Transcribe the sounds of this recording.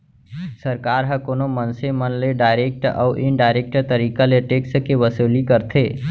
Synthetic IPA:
səɾkaːɾɦə̃koːnomənsemənleɖaːɪɾeːk̚ʈɔ̰ːʔɪnɖaːɪɾeːk̚ʈt̪əɾiːkaleʈeːkskeʋəsoːlikəɾt̪ʰeː

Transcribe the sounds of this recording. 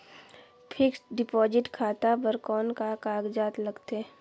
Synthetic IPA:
pʰɪksɖɪpɔːd͡ʒɪʈkʰaːt̪abəɾkɔːnkakaːɡd͡ʒaːt̪lɐɡt̪e

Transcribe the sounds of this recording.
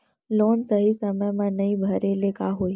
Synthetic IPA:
lonsəɦisəməjmãnəibʱəɾelekaɦoj

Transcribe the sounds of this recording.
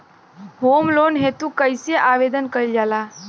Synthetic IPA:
ɦomlonɦet̪ũkəjseʔaːʋed̪ənkəɾild͡ʒaːlaː

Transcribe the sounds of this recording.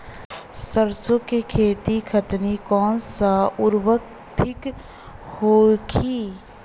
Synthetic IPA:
səɾsokikʰeːt̪ikʰət̪nikɔːnsaʊɾwək̚ | t̪ʰɪk | hoːɡiː

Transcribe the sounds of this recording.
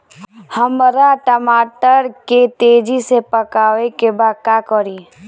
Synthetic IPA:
həmɾaʈəmaːʈəɾket̪eːd͡ʒisepəkaːʋekebaːd̪̚kaːkɔɾiː

